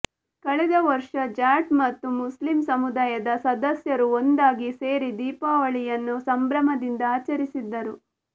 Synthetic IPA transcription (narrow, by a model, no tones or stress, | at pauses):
kɐɭɛd̪ɐʋɐɾʂɐd͡ʒaːʈmɐt̪ːumuslimsɐmud̪aːjɐd̪ɐsɐd̪ɐsjɐɾuond̪aːɡise̞ːɾid̪iːpaːʋɐɭijɐnːusɐmbɾɐmɐd̪ind̪ɐaːt͡ʃɐɾisid̪ːɐɾu